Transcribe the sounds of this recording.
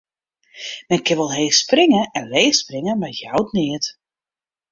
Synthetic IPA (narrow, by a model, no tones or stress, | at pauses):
mɛnkɪnʋɔlˠɦeːsprɪŋəʔɛnʋeːsprɪŋənmajjawtnɪət